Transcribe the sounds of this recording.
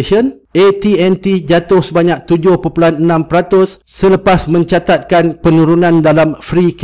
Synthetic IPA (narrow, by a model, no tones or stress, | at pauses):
ʃən | ʔet̪iɛnt̪id͡ʒat̪ʊhsəbaɲãk̚t̪ud͡ʒʊhpopulanənãmpəɾat̪ʊsːələpasmə̃ɲt͡ʃat̪at̪̚kanpənũɾunãndalamfɾik